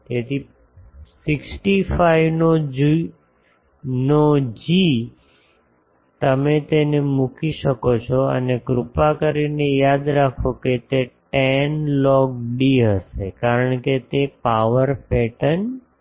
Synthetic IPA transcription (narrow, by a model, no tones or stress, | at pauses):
t̪et̪ʰi | sɪksʈifaiʋnod͡ʒ | nod͡ʒi | t̪əmet̪enemũkʰiʃəkot͡ʃʰɔə̰nekɾʊpakəɾinejad̪ɾakʰoket̪eʈɛnlɔɡ̚ɖiɦəʃekaɾəɳket̪epaʋəɾpɛʈən